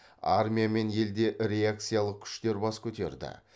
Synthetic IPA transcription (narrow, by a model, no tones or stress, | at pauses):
a̰rmʲijame̞nje̞ld̪e̞ʔɾʲe̞ak̚t̪sɨjalˠəq̚kʲʰʏ̥ʃt̪e̞ɾbɑskʲʰɵt̪e̞̰ɾd̪ɪ̰